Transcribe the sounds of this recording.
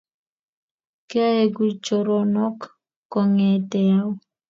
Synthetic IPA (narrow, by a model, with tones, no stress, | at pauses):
ke˦a˦e˦ɡu˦t͡ʃo˨ɾɔ˦nɔ˦kː | ɔ˨ŋɛ˨tɛ˨a˦w